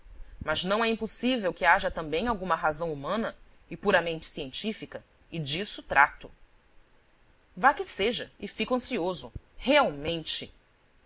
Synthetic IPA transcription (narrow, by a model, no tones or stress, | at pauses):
mɐznɐ̃w̃ɛĩposivewkɪaʒɐt̪ɐ̃mbẽj̃awɡũmɐɦazɐ̃w̃umɐ̃nɐ | ɪpuɾɐmẽnt͡ʃɪ̥siẽnt͡ʃifikɐ | ɪd͡ʒisʊt̪ɾʔat̪ʊ | vakɪseʒɐɪfikɐ̃siozʊheawmẽnt͡ʃɪ